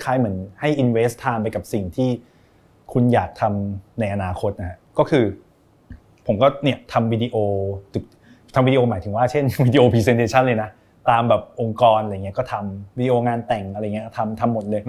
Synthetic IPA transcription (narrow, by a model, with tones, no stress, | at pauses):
kʰaː˦˥jmɯ˩˦ənha˥˩jʔi˧nweː˦˥st̪ʰːaː˧mp̬a˧jka˨˩p̚si˨˩ŋt̪ʰiː˥˩ | kʰu˧njaː˨˩k̚t̪ʰa˧mna˧jʔa˧naː˧kʰo˧˦˥t̪̚ʔa˧˥ɦa˦˥kɔː˥˩kʰɯː˧ | pʰo˩˦mkɔː˥˩ni˥˩ɐt̪ʰa˧mwi˧di˧ʔoː˧t͡ɕɯ˨˩k̚ | t̪ʰa˧mwi˧di˧oː˧maː˩˦t̪ʰɯ˩˦ŋwaː˥˩t͡ɕʰe˥˩nwi˧di˧ʔoː˧pʰiː˧se˧nt̪ʰeː˧t͡ɕʰa˥˩lɤː˧jna˦˥ | t̪aː˧mbɛː˨˩p̚ʔo˧ŋkɔː˧naː˧˨˩ŋ˦˥kɔː˥˩t̪ʰa˧mwi˧di˧ʔoː˧ŋaː˧nt̪ɛ˨˩ŋʔɾjŋi˦˥˩t̪ʰa˧mt̪ʰa˧mːo˨˩t̪̚lɤː˧j